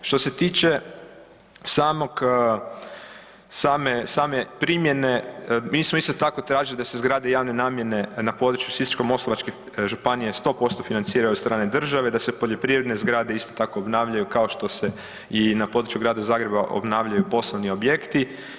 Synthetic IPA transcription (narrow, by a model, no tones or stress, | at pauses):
ʃt̪o̞se̞t̪iːt͡ʃe | saːmo̞k | saːmesaːmepɾimjene̞miːsmoist̪o̞t̪ako̞t̪ɾaːʒilid̪ase̞zɡɾaːd̪ejaːʋne̞naːmje̞ne̞napo̞d̪ɾt͡ʃjusit̪t͡ʃkomo̞slˠoʋat͡ʃke | ʒupanije̞st̪o̞po̞st̪o̞finant̪siːɾajuod̪st̪ɾaːne̞d̪r̩ʒaʋe̞d̪ase̞po̞ʎo̞pɾiʋɾed̪ne̞zɡɾaːd̪e̞ist̪ot̪ako̞obnaːʋʎʲajukao̞ʃt̪o̞se̞ | inapo̞d̪ɾt͡ʃjuɡɾaːd̪azaːɡɾe̞baʔo̞̰bnaːʋʎajupo̞sloʋnio̞bje̞kt̪i